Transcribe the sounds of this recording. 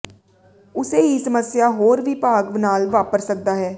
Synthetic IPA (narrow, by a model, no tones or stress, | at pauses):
ʊseːɦiːsəməsjaːɦoːɾʋiːpaːɡʋnaːlʋaːpəɾsək̚d̪aːɦɛː